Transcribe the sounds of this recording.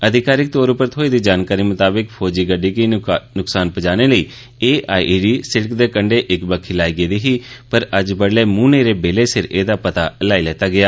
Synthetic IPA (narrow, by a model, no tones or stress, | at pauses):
əd̪ʱɪkaːɾɪk̚t̪oːɾʊpəɾət̪ʰɦoːiːd̪iːd͡ʒaːnkaːɾiːmʊt̪aːbɪkpʰɔːd͡ʒiːɡəɖiːkiːnʊksaːnpəd͡ʒaːneːləiː | eːʔaːiːɖiːsɪɽəkd̪eːkəɳɖeːʔɪkbəkʰːɪlaːiːɡeːd̪eːɦiːpəɾəd͡ʒbəɽleːmũːneːɾeːbeːleːsɪɾḛːd̪aːpət̪aːlaːilɛːt̪aːɡɪaː